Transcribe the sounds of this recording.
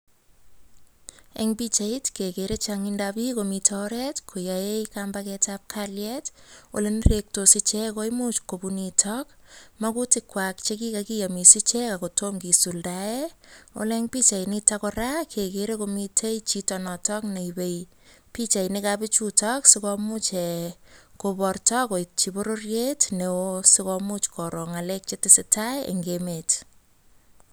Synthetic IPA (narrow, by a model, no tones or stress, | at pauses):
ḛŋbit͡ʃaitkekeɾet͡ʃaŋindabikomitʰɔɾɛtkʰojajejkambakɛtap̚kʰaljɛto̰lenɾek̚tosɪt͡ʃɛkojmut͡ʃkobunitʰɔkmakutɪkwak̚t͡ʃekikakijamisit͡ʃɛkakotomkisuldaɛo̰lɛŋpit͡ʃajnitakɔɾakʰekeɾekomitʰejt͡ʃitɔnɔtɔkneibej | pit͡ʃajnɪkapɪt͡ʃutɔksɪkɔmut͡ʃɛ | kopɔrtɔkojt͡ʃiboɾorjetnewosɪkɔmut͡ʃkʰɔɾoŋalek̚t͡ʃetɪsɪtʰajḛŋɡemet